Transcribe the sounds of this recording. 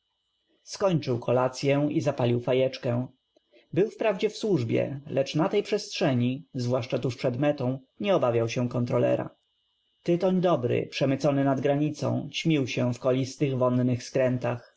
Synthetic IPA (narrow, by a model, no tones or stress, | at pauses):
skɔɲt͡ʂɘwkʰɔlat̪sʲjɛ̃izapalʲiwfajɛt͡ʂkɛ̃ | bɘwfpɾavd͡ʑɛfswuʐbʲjɛ̰lɛt͡ʂnat̪ɛjpʂɛstʂɛɲizvwaʂt͡ʂat̪uʂpʂɛd̪mɛt̪ɔ̃w̃ | ɲɛɔbavʲjawɕɛ̃kɔnt̪ɾɔlɛ̰ɾa̰ | t̪ɘt̪ɔɲd̪ɔbɾɘ̰pʂɛmɘt̪sɔnɘnad̪ɡɾaɲit̪sɔ̰̃w̃t͡ɕmʲiwɕɛfkɔlʲist̪ɘɣvɔnnɘxskɾɛnt̪ax